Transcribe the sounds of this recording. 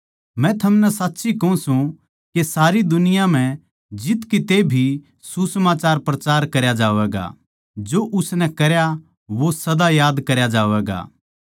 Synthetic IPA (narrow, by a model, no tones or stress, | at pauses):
mɛ̃t̪ʰɐmnɛsaːtːʃikɐũsũ | kesaːɾid̪ʊnɪjãm̤ɛ̃ | d͡ʒɪt̪kit̪ebʱi | susɐmaːt͡ʃaːɾpɾɐt͡ʃaːɾkɐɾjad͡ʒaːʋɛɡa̰ | d͡ʒoʔʊsnɛkɐɾja | ʋosɐd̪ajaːd̪kɐɾjad͡ʒaːʋɛːɡa̰ː